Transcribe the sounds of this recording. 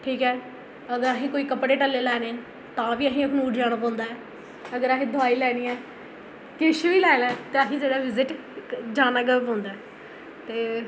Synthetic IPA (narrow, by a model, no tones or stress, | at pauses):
ʈʰiːkɦɛː | əɡəɾaɦĩːkoːiːkəpɽeːʈəlːeːlɛːneː | t̪ãːʋiːəɦĩːəkʰnuːʈd͡ʒaːɽ̃aːpãːnd̪aːɛː | əɡəɾaːɦĩːd̪ʊaːiːlɛːɽiːɛ̃ː | kɪʃuiːlɛːlɛ̃ːt̪eːəɦĩːd͡ʒeːɽaːʋɪzɪʈ | d͡ʒaːnaːɡəpãːnd̪aɛː | t̪eː